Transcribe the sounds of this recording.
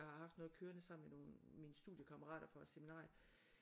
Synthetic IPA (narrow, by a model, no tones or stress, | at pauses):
hɑ̈hɑ̈fd̥nɔ̽ːð̩ˠkʰøːɐnəsɑ̈m̰n̩meno̝ːnmiːnəsd̥ṵðˠjəkʰɑmɐʁɑ̰̈ːɾ̥ɐfɒ̥̽seminɑ̰̈ːj